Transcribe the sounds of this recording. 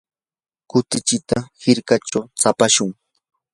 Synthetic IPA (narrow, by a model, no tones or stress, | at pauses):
kʊt̪ɪt͡ʃɪt̪ahɪɾkat͡ʃawsapaʃʊŋ